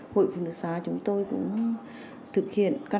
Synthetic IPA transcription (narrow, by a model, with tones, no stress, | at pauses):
ho̰˧˨jfu˨˩nɨ˨˧˩zaː˨˦t͡ɕʊ˨˦ŋ͡mt̪o˧jkʊ̰˧˥ŋ͡m | t̪ʰɨ˨˩k̚hḭ˧˨ənka˧